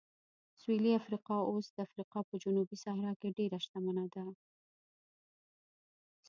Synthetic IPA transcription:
sweliafɾiqɑosd̪̥əafɾiqɑpəd͡ʒʊnubisɑhɾɑkeɖeɾaʃt̪amanad̪a

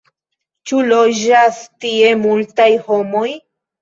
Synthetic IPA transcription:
t͡ʃulo̞d͡ʒastie̞multajho̞mo̞j

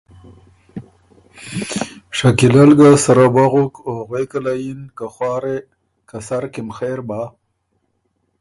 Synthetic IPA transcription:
ʂakilalɡasaɾabaɣukoɣwekalajinkaxwɑːɾe | kasaɾkɪmxeɾba

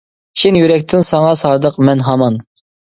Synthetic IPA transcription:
t͡ʃʰinjyɾɛk̚ʲt̪ʰɪnsɑŋɑsɑːd̪əqmɛnɦɑmɑn

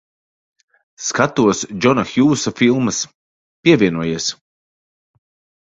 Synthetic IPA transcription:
skat̪uɔsd͡ʒɔnaxjuːsafilˠmɨs | pʲiɛvʲiɛnuɔjiɛs

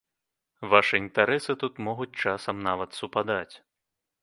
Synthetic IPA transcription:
vaʂɨint̪aɾɛsɨt̪ut̪mɔɣut͡sʲt͡ʂasɐmnavɐt̪supad̪at͡sʲ

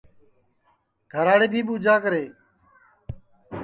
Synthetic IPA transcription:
ɡʱəɾaːɽeːbʱiːɓuːd͡ʒaːkəɾeː

